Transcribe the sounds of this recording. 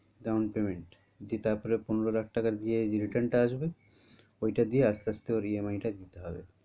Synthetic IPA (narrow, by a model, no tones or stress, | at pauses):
ɡaunpemeɳʈ | d̪it̪aɾpɔɾeponeɾolakʰʈakaɾd̪ieɾiʈaɾnʈaaʃbe | ojʈad̪ieast̪ast̪eoɾiemajʈad̪it̪eɦɔbḛ